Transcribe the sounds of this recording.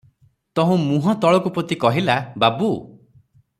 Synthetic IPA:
t̪ɔɦũmũɦɔt̪ɔɭɔkupɾɔt̪ikɔɦilababu

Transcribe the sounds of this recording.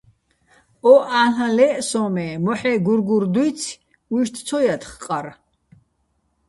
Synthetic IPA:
ɔʔaɬãlɛsɔmɛmɔħɛɡuɾɡuɾd̪wut͡sʰ | uʃt̪ʰt͡sʰɔjat̪ʰχqʼaɾ

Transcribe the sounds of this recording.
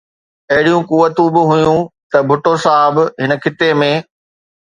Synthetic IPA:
ɐɦɪɽijũkuːʋət̪ũbɪɦʊjũt̪ɐbʱʊʈosaːɪbɦɪnəkʰɪt̪emẽː

